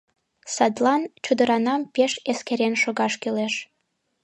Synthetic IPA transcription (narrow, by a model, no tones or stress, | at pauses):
sɑd̪lɑnt͡ɕud̪əɾɑnɑmpeʃeskeɾenʃoɣɑʃkyleʃ